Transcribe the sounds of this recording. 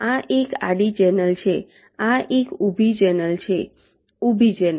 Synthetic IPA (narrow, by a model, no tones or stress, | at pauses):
aʔeka̰ɖit͡ʃɛnəlt͡ʃʰe | aʔekubʱit͡ʃɛnəlt͡ʃʰe | ubʱit͡ʃɛnə